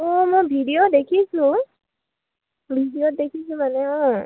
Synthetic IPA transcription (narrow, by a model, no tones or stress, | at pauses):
ɔmɔjbʱidijodekʰisʊ̃ | bʱidijodekʰis̬ũmanɛɔ̃